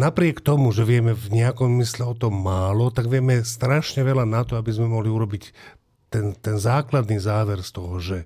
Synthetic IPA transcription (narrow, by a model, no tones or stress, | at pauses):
napɾɪɛkt̪ɔmuʒɛʋɪɛmɛvɲɛakɔmmislɛɔt̪ɔmːaːlɔt̪aɡʋɪɛmɛst̪ɾaʃɲɛʋɛlanat̪ɔabizmɛmɔɦliuɾɔbic | t̪ɛnt̪ɛnzaːklad̪niːzaːʋɛɾst̪ɔɦɔʒɛ